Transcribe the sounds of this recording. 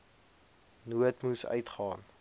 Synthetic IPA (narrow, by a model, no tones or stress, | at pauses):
nuətmusœ̰ɥtχɑːn